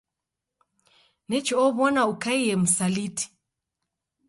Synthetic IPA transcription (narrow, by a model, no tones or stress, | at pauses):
nɛt͡ʃɔɔβɔnaukaijɛm̩saliti̥